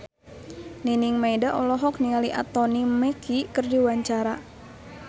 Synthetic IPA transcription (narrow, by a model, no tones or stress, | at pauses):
niniŋmajdaʔɔlɔɦɔk̚niŋaliʔa̰t̪ɔnimɛkʰikɨrdiwaɲt͡ʃaɾa